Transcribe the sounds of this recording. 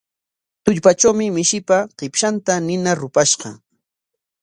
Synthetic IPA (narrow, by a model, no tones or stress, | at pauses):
t̪ʊʎpat͡ʃawmɪmɪʃɪpaqɪpʃant̪anɪnaɾʊpaʃɢɑ̰